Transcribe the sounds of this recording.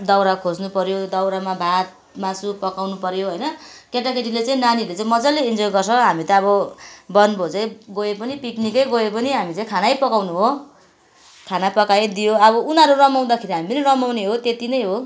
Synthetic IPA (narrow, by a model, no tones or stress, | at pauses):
d̪ʌwɾakʰod͡znupʌɾjod̪ʌwɾamabʱat̪̚ | masupʌkawnupʌɾjoɦojnʌkeʈakeʈilet͡saĩnanilet͡saĩmʌd͡zʌleind͡zojɡʌrsʰʌɦamit̪ʌʌbʌbʌnbʱot͡sʌj̃ɡoepʌnipiknikʌjɡoepʌniɦamit͡sãj̃kʰanajpʌkawnuɦo | kʰanapʌkajd̪ijoʌβʌunaɾurʌmaw̃d̪akʰeɾiɦamipʌnirʌmawneɦot̪et̪inʌjɦo